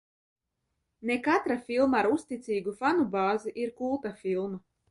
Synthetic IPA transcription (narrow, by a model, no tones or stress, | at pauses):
nekat̪ɾafʲilˠmaaːɾust̪it̪siːɡufanubaːziʔiɾkulˠt̪afilˠma